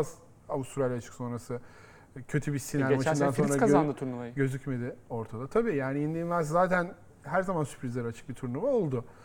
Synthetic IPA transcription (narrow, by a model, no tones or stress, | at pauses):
az | aust̪ɾalʲːat͡ʃʰɯ̥kso̞nɾasɯ | cʰø̞t̪ʰybisinælmaʃnd̪anso̞nɾɾaaand̪ɯt̪ʰuɾnuvajɟø̞zycme̞d̪ɪo̞ɾt̪ʰad̪at̪ʰabiːjaːnijind̪ʲiinlˠaɾszaːt̪ʰæn | ɦæɾzamansy̥pʰɾizlʲeɾat͡ʃʰɯ̥k̚bit̪ʰuɾnuvao̞lˠd̪ʊ